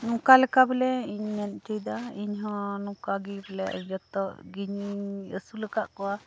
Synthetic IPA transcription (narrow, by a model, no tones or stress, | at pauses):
nũkalɛkabɛlɛiɲmɛn̚t͡ʃəjd̪aiɲɦɔ̃nũkaɡibɛlɛʔd͡ʒɔt̪ːɔʔɡiɲiəsuləkaʔkɔwa